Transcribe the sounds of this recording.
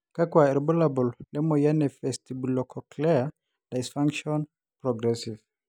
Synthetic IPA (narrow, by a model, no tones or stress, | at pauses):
kakwaɛɾbɔlabɔllɛmɔjanɛfɛstibulɔkʰɔklɛa | d̥aɪsfaŋkʃɔn | pɾɔɡɾɛsiv